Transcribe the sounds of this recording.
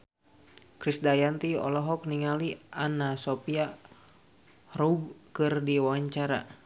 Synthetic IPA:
kɾisdajant̪iɔ̰lɔɦɔk̚niŋalianasopia | rub̚kɨrdiwaɲt͡ʃaɾa̰

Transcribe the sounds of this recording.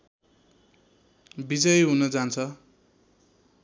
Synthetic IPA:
bid͡zʌjɦunʌd͡zant͡sʰʌ

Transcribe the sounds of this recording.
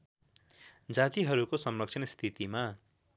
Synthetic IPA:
d͡zat̪iɦʌɾukosʌmlʌk̚t͡sʰʌnst̪ʰit̪ima

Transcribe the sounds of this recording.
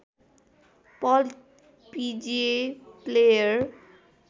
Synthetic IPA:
pɔl | pid͡ʒeplejaɾ

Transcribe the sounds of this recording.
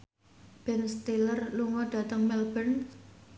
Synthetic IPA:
b̥ɛnst̪ilərluŋɔɖ̥ä̤t̪əŋmɛlb̥ən

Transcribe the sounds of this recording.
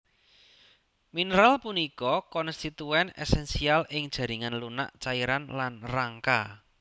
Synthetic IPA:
minɾalpunikɔkɔnst̪it̪uɛnɛ̰sɛnsialʔɪŋd̥ʒ̥ä̤ɾiŋanluna̰ʔt͡ʃaiɾanlanraŋka

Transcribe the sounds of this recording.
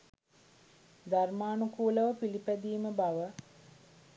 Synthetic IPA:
d̪armaːnukuːləʋəpilipæd̪iːməbaʋə

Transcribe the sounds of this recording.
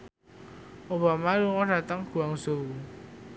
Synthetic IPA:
ʔobamaluŋɔɖ̥a̤t̪əŋɡ̥ṳaŋz̥ou

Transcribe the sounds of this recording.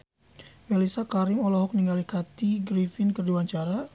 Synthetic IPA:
mɛlisakaɾɪmɔlɔɦɔk̚niŋɡalikat̪iɡɾifɪnkərduwaɲt͡ʃaɾa

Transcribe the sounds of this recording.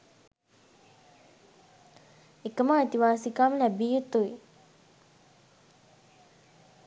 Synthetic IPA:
ekəmaːit̪iʋaːsikaːməlæbijut̪ːuʋi

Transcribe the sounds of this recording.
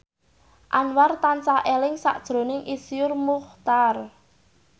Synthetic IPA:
ʔanwart̪ant͡ʃaʔelɪŋsa̰ʔd̥ʒ̥ɾo̤nɪŋʔisijʊrmʊχt̪ar

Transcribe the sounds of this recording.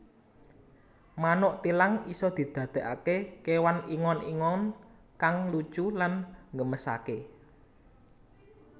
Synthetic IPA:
manoʔt̪ilaŋisɔd̪̥i̤d̪̥ä̤d̪̥e̤ʔakekewaniŋɔnḭŋɔn | kaŋlud̥ʒ̥ulanŋɡəməsa̰ke

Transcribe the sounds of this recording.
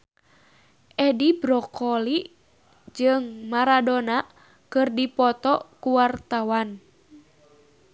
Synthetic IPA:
ʔɛdibɾɔkɔli | d͡ʒɨŋmaɾadona | kɨrdipɔt̪ɔkuwart̪awan

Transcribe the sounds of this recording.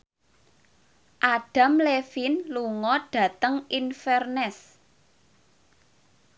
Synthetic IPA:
ʔaɖ̥a̤mlefinluŋɔɖ̥ä̤t̪əŋinfɛrnɛs

